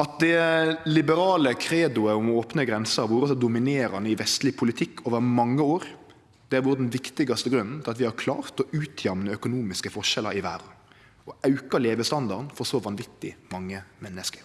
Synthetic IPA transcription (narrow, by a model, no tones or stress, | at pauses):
ɑt̪̚d̪ɛlɪbəɾɑːləkʰɾeːd̪ʊəʊmɔoːpnəɡɾɛnsəɾʋuːɾəsɔd̪ʊmɪneːɾɑnəɪʋɛst̪lɪpʰʊlɪt̪ʰɪkːoːʋəɾmɑŋːəoːɾ | d̪̥ɛæɾʋʊːɾəd̪nʋɪkt̪ɪɡɑst̪əɡɾʉnːn̩t̪ʰɪlɑt̪ʋɪhɑɾkʰlɑ̰ːɾt̪ɔʉːt̪ʰjɛmnəœkʊnuːmɪskəfɔʂɛlːə̰ɾɪʋæ̰ɾ | ɔɑʉkəleːʋəst̪ɑnd̪ɑɾnfɔɾsɔʋɑnʋɪt̪ːɪmɑŋːəmɛnːəskə̥ɾ